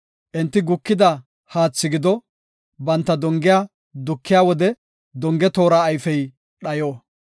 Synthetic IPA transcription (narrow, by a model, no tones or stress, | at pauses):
ʔɪnt̪ːɪɡʊkːɪd̪ɐ | haːt͡sːɪɡɪd̪ɔ | bɐnt̪ːɐd̪ɔŋɡɪjaː | d̪ʊkːɪjaːwɔd̪ɛ | d̪ɔŋɡɛt̪o̞ːɾaːjfɛj | ɗɐjoː